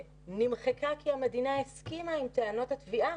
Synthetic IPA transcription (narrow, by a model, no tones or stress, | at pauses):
nimχekakiame̞d̪inaeskimaimt̪eano̞tat̪viʔa